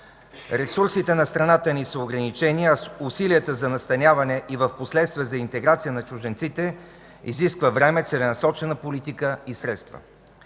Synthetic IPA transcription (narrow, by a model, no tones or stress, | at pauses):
ɾɛsuɾsit̪ɛnɐst̪ɾɐnat̪ənisəoɡɾɐnit͡ʃɛniɐusiliət̪əzɐnɐst̪ɐnʲjavɐnɛʔivəfposlɛt̪st̪viəzɐint̪ɛɡɾat̪sijənɐt͡ʃʊʒɛnt̪sit̪ɛ | ḭziskvəvɾɛmɛt̪sɛlɛnɐsɔt͡ʃɛnəpolit̪ikəisɾɛt̪st̪və̰